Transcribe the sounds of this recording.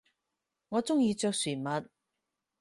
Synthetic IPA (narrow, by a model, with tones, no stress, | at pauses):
ŋɔː˨˧t͡sʊ˥ŋjiː˧t͡sœː˧k̚syː˨˩mɐ˨˧t̚